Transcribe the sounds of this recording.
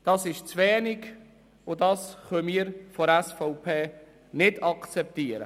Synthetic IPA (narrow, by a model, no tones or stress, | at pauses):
d̥ɑsɪʃt͡svɛːniɡ | ʊdɑsχœmiːəɾfɔɾɛsfɔʊpʰeː | nɪdɑkt͡sɛp̚t̪iːəɾə̰